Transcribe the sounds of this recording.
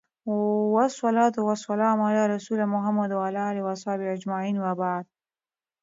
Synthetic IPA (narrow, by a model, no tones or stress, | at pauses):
wasˤːɑlɑːt̪uwasˤɑlɑːmalaːɾasulamʊɦamːad̪walaliwasˤɑːbiad͡ʒmaʕiːnwabaʕd̪̚